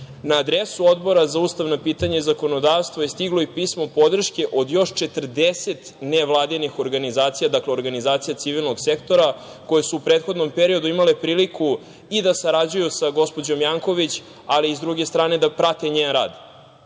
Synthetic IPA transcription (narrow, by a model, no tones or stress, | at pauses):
naːd̪ɾesuo̞d̪bo̞ɾazauːst̪aʋnopiːt̪aɲaizako̞no̞d̪aʋst̪ʋoje̞st̪iɡlˠoipiːsmo̞po̞d̪r̩ʃke̞ʔod̪jo̞ʃt͡ʃe̞t̪r̩d̪eset̪neʋlˠaːd̪inixo̞ɾɡanizaːt̪sijad̪akleoɾɡanizaːt̪sijat̪siʋilˠno̞ɡse̞kt̪o̞ɾa | ko̞jesuupɾeːt̪xod̪no̞mpeɾio̞d̪uimale̞pɾiːliku | id̪asaɾad͡ʑujusaɡo̞spo̞d͡ʑo̞mjaŋko̞ʋit͡ɕ | aliːzd̪ɾuɡe̞st̪ɾaːne̞d̪apɾat̪eɲeːnɾa̰ːd̪